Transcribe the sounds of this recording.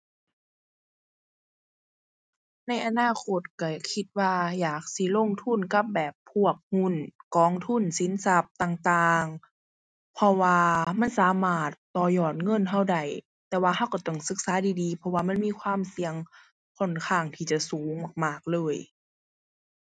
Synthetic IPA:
na˧˥˩jʔa˧naː˧˥˩kʰo˧˩t̪̚ka˧˩kʰi˧˦t̪̚waː˧jaː˨˩k̚si˧˦lo˧˥˨ŋt̪ʰu˧˥˨nka˧˥p̚bɛː˨˩pʰːu˧˩ək̚hu˧˥˨nkɔː˧˩ŋt̪ʰu˧˥˨nsi˨˦nsa˧p̚t̪aː˨˩ŋt̪aː˧ŋ | pʰɔ˧waː˧ma˧˥˨nsaː˨˦maː˧˩t̪ːɔː˧˩jɔː˨˩t̪̚ŋɤ˧˥˨nɦa˧˩wda˧˩j | t̪ɛː˧˩waː˧ɦa˧˥˨wka˧˩t̪ɔ˧˩ŋsɯ˧˦k̚saː˨˦diː˧˦diː˧˦pʰɔ˧waː˧˨ma˧˥˨nmiː˧˥˨kʰwaː˧˥˨msi˨˧əŋ | kʰɔ˧˩˨nkʰaː˧˩ŋt̪ʰiː˧˩t͡ɕa˧˩suː˨˦ŋma˨˩k̚maː˧˩k̚lɤː˧˥˨j

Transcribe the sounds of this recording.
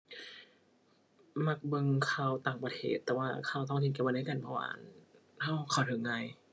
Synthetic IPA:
ma˧k̚bɤ˧ŋkʰaː˧wt̪aː˨˩ŋpɾa˧t̪ʰeː˥˩t̪ːɛː˨˩waː˧˩kʰaː˧˩˨wt̪̬ɔ˥˩ŋt̪ʰi˧ka˧p̚na˥˩ka˧˨nbʰɔ˧wa̰ː˧˩˨n | ha˥˩wkʰa˨˩tʰɯ˨˩˦ŋːa˧j

